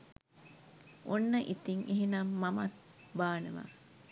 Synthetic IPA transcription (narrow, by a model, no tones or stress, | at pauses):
onːəʔit̪iŋiɦinamːɐmɐt̪̚baːnḛʋa̰ː